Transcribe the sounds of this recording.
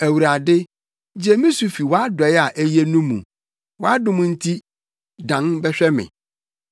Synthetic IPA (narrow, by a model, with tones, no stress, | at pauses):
æ˨wu˨ɾa˨dɪ˦ | d͡ʑɛ˦mĩ˦su˨fi˨wɔ˨˦a˦dʊ˨ɛ˨˦ja˨ʔæ˦je˦nũ˦mːṵ̃˨ | wɔ˦a˦dʊ̃˨mʊ̃˦n̩˦tʰi˦ | dã˨nbɛ˦ɕᶣɛ˦mɪ̰̃˨